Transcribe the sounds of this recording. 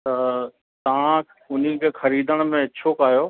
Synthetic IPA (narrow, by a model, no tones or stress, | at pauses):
t̪ɐ | t̪ɐʋ̤ã | ʊn̤ikʰexɐɾiːd̪ʱəɽ̃mẽt͡ɕʰokaːjoː